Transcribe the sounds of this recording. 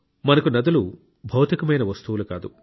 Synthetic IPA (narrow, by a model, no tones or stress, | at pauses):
mɐnɐkunɐd̪ulu | bʱɐwt̪ikɐmɐjnɐʋɐst̪uʋuluka̰ːd̪u